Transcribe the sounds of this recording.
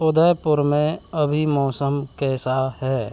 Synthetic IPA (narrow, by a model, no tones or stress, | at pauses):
ʊd̪əjpʊɾmẽɐbʱimɔːsəmkɛːsahɛː